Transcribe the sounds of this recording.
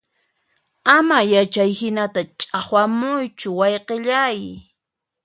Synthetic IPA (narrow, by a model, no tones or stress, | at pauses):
amajat͡ʃajhɪnat̪at͡ʃʼaχwamʊjt͡ʃʊwɑjqeʎaj